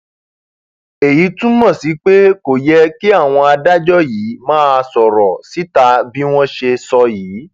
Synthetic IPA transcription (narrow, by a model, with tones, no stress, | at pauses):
e˨ji˨˦tũ˦mɔ̃˦˨si˨˦k͡pe˦ko˨jɛ˦ki˦a˦˨w̃ɔ̃˧a˧da˦d͡ʒɔ˦jiː˨˦mãː˦˧sɔ˨ɾɔ˨si˨˦ta˧bi˦w̃ɔ̃˦ʃe˧sɔ˧jiː˨˦